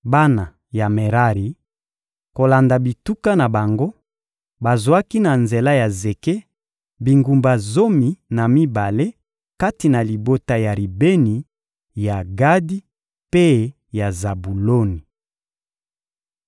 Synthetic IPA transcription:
ba˦na˨ | ja˨me˨ʁa˦ʁi˨ | ko˨la˨nda˨bi˨tu˦ka˦na˨ba˨ŋɡo˦ | ba˨zwa˦ki˦na˨nze˨la˦ja˨ze˨ke˦ | bi˨ŋɡu˨mba˨zo˦mi˨na˨mi˦ba˨le˦ | ka˦ti˨na˨li˨bo˦ta˦ja˨ɾi˨be˦ni˨ | ja˨ɡa˦di˦ | pe˦ | ja˨za˨bu˨lo˦ni˨

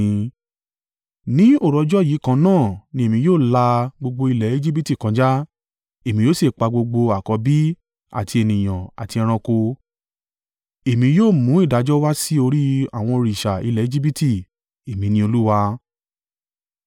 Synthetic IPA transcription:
nĩ˦o˦˨ɾɔ˨˧d͡ʒɔ˦ji˨˦kã˧nãː˦˨nĩ˧e˨mĩ˧joː˦˨la˧ɡ͡bo˧ɡ͡bo˧i˧lɛ˨e˦d͡ʒi˦bi˦ti˦˨kã˨˧d͡ʒa˦ | e˨mĩ˧joː˦se˦˨k͡pa˧ɡ͡bo˧ɡ͡bo˧a˨kɔ˧˦bi˦ | a̰˨ti˧e˨nĩ˨j̃ã̰˨a˨ti˧ɛ̃˧ɾ̃ã˧ko˧ | e˨mĩ˧joː˦˨mũ˨˦i˦˨da˨˦d͡ʒɔ˦wa˦si˦o˧ɾi˦a̰˦˨w̃ɔ̃˧o˧ɾi˨ʃa˨i˧lɛ˨e˦d͡ʒi˦bi˦ti˦˨ | e˨mĩ˧nĩ˧˦o˧lu˦wa˧

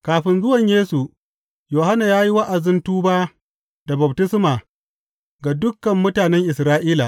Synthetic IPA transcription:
kaː˨ɸɪ˦nzʊ˦wɐ˨ɲjeː˦su˨ | joː˨ha˦na˨jaː˦ji˦wa˦ʔa˨zɪ˦ntuː˦baː˦ | da˨bɐ˨b̚tɪ˦smaː˨ | ɡa˨dʊ˦kːɐ˨mːʊ˦taː˨nɛ˦ŋʔɪ˨sɾaː˦ʔiː˦la˨

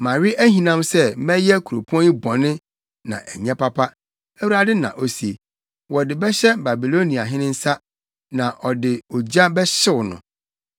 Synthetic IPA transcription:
mã˨ɾɪ˦ʔæ˦hĩ˨nã˦msɛ˦mɛ̃˦jɛ˦kʰu˨ɾo˨pʰu˦ɔ̃˦ĩ˦bɔ̃˨nɪ̃˦ | nã̰˨ʔæ˨ɲɛ̃˦pʰa˦pʰa˦ | æ˦wu˦ɾa˦dɪ˦nã̰˨ʔo˦si˨e˨ | wɔ˨dɪ˨bɛ˦ɕɛ˦ba˨bi˨lo˦nĩ˨a˨ɦɪ̃˦nɪ̃˦n̩˦sa˦ | nã˨ʔɔ˨dɪ˨o˨d͡ʑa˦bɛ˦ɕɪ˦wʊ˨nʊ̰̃˨

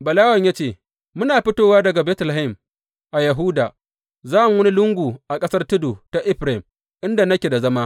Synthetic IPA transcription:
bɐ˨laː˦wɐ˨ɲja˦t͡ʃeː˦˨ | mʊ˦naː˨ɸɪ˦toː˦waː˦dɐ˨ɡa˨bɛː˦tla˨ɪ˦˨m | ʔa˨jɐ˨ɦu˦daː˨ | zaː˦m˨wɐ˦ni˦lʊ˦ŋɡʷuː˨ʔa˨kʼɐ˦sɐ˦rtɪ˦du˨ta˨ʔɪ˦ɸɾa˨ɪ˨m | ʔɪ˦nda˨nɐ˦kʲe˨da˨zɐ˦maː˦

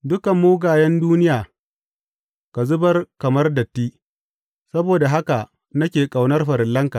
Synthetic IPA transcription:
dʊ˦kɐ˨mːuː˦ɡaː˨jɛ˦nduː˦nɪ˦jaː˨ | ka˨zʊ˦bɐ˦rkɐ˨mɐ˦rdɐ˨tːiː˦ | sɐ˦boː˨da˨ɦa˦ka˨ | nɐ˦kʲeː˨kʼa˨wnɐ˦rɸɐ˨ɾɪ˨lːɐ˦ŋka˨ʔ

